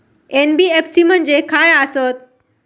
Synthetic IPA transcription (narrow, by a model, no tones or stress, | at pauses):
eːnbiːepsiːmənd͡ʑeːkʰaːjaːsoːt̪̚